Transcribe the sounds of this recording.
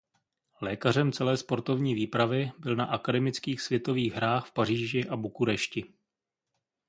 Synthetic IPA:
lɛːkar̝ɛmt͡sɛlɛːspo̞ɾt̪o̞vɲiːviːpɾavɪbɪlnaʔakadɛmɪt͡skiːxsvjɛt̪o̞viːɣɦɾaːxfpar̝iːʒɪʔabukuɾɛʃcɪ

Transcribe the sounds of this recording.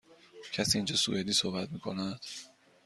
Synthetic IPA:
cʰæsiːnd͡ʒɒːsṵed̪iːsohbæt̪miːkʰo̞næd̪̥

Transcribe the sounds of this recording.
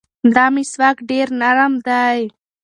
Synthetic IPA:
d̪amiswakɖeːɾnaɾamd̪aːj

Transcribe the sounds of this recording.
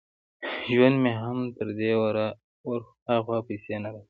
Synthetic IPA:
ʒwand̪meɦamt̪əɾd̪ewaɾa | waɾ | axwapisenad̪a

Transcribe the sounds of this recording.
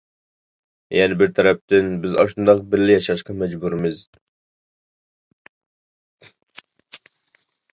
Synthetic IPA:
jɛnɪbɪɾt̪ʰɛɾɛp̚t̪ɪnbɪzɑ̰ʃund̪ɑq̚bɪɾlɪjɑʃɑʃqɑmɛd͡ʒbuɾɪmɪz

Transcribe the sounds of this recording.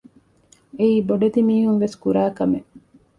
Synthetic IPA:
eiːboɖed̪imiːɦuŋʋeskuɾæːkɐme

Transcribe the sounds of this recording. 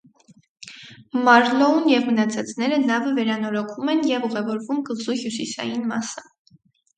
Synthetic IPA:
mɑɾlɔunjɛvmənɑt͡sʰɑt͡sʰn̪ɛɾənɑvəvɛɾɑnɔɾɔkʰvumɛnjɛvuʁɛvɔɾvumkəzuhjusisɑ̰jinmɑsə̥

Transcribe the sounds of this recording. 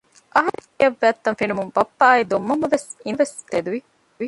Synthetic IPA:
ʔɐɦɐɾ | ɐʋːæːt̪ːɐnfinumumbɐpːaːid̪omːɐmːɐʋesinʋest̪ed̪uʋi | i

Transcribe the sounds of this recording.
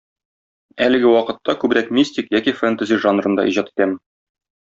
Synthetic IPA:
ælɘ̆ɡɘwɒqɤ̆t̪ːɑkʉbɾækmʲisʲt̪ʲikjækifɛnt̪azʲiʒanrɤ̆nd̪ɑ̰ʔiʑɑt̪i̥t̪æmɘ

